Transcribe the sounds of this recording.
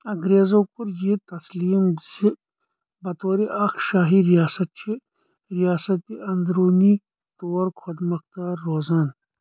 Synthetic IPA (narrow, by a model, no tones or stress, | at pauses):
ɐɡɾeːzokuɾjit̪ɐsliːmzi | bɐt̪oːɾiʔɐkʃaːɦiɾijaːsɐt̪̚t͡ʃʰi | ɾijaːsɐt̪iʔɐnd̪ɾoːni | t̪oːɾkʰɐd̪mɐkt̪aːɾːoːzan